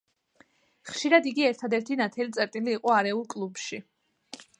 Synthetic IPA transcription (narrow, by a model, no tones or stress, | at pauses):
χʃiɾad̪iɡiɛɾt̪ʰad̪ɛɾt̪ʰinat̪ʰɛlit̪sʼɛɾt̪ʼiliːqʼɔaɾɛulˠkʼlˠubʃi